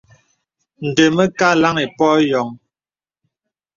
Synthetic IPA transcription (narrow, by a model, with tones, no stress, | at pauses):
n̩˨də˨mə˦ka˦la˦ŋe˨pɔ˦jɔ˨˦ŋ